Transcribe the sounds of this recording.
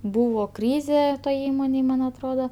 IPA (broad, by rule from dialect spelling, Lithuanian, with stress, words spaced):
ˈbuːʋoː ˈkrʲiːzʲeː toːj ˈiːmoːnʲeːj ˈmɐn ɐtˈroːdɐ